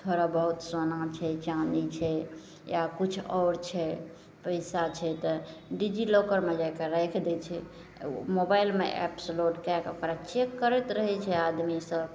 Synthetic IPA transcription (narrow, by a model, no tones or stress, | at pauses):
t̪ʰoɾabəɦut̪sonat͡ʃʰɛt͡ʃanit͡ʃʰɛ | jakut͡ʃʰɔɾt͡ʃʰɛ | pəɪsat͡ʃʰɛt̪ɔɖid͡ʒilokəɾmed͡ʒajkeɾəjkʰd̪ɛt͡ʃʰɛ̰ | mobajlmeʔɛ̰psloɖkakeokɾat͡ʃekːəɾɛt̪ɾəɦɛt͡ʃʰɛad̪misəb